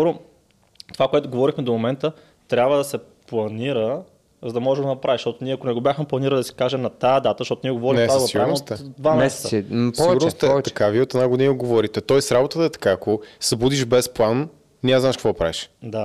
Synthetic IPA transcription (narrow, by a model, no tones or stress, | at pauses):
skɔɾʊ | t̪ovakoɛt̪ʊɡovɔɾixmɛd̪omomɛnt̪ə | t̪ɾʲabvəd̪ɐsɛplˠɐniɾə | zɐd̪ɐmɔʒɛɡoɐnɐpɾʔaviʃt̪ɔt̪ʊniɛɐkonɛɡobʲjaxmɛplˠɐniɾəlid̪ɐsi̥kaʒɛmnɐt̪ajəd̪at̪əʃt̪ɔt̪ʊniɛɡovɔɾinɛaiɡaʊɾnmost̪d̪vamɛsɛt̪ispɔɛɡʊɾnost̪ɛt̪ɐkaviɛot̪ɛnaɡʊnioɡovɔɾit̪ɛt̪ɔɛsɾabot̪ət̪əɛt̪ɐ̥kaːkosɐbud̪iʒbɛsplˠan | niaznaɛʃkəkvɔd̪ɐpɾa̰viʃd̪a